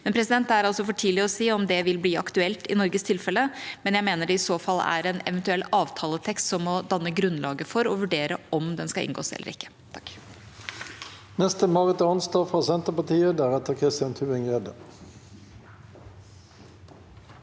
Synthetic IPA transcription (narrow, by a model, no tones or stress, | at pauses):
mɛnpʰɾɛs̬ɪd̪ɛnt̪æɾɑlsɔfɔʈʰiːlɪɔsiːɔmd̪ɛʋɪlbliːɑ̰kt̪ʉɛlt̪ɪ̰nɔɾɡəst̪ʰɪlfɛləmɛnjæɪmeːnəɖɛɪsoːfɑlːæ̰ɾɛːnɛ̰ʋɛnt̪ʉɛlːɑːʋt̪ʰɑːlət̪ʰɛkst̪sɔmːɔd̪ɑnːəɡɾʉnlɑːɡəfɔɾɔʋʉɖeːɾəʔɔmd̪ɛnskɑɪ̰ŋɡo̰ːsɛ̰lːə̰ɾɪkːə̥ | t̪ʰɑk | nɛst̪əmɑːʁət̪əɑnst̪ɑːfʁɑːsɛnt̪əpɑt̪iːəd̪æːʁɛt̪əkʰʁɪst̪ɪɑnt̪ʰʉːɪŋed̪ə